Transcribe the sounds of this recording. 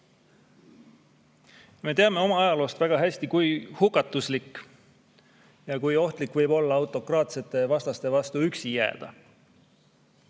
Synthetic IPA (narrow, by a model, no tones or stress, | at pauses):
me̞ːt̪eɑme̞o̞mɑɑjɑlo̞ːst̪væɡ̥ɑɦæsʲt̪ikujhukːˑɑt̪ːˑuslikːˑ | jɑkujo̞ht̪likːvɤjbo̞lːɑɑwt̪ˑo̞krɑːt̪set̪ːˑe̞vɑst̪ɑst̪e̞vɑst̪uyksijæ̰ːd̪̥ɑ̰